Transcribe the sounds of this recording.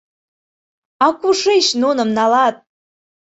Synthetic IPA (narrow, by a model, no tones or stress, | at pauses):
akʷuʂejʃnonəmnalat̪̚ʼ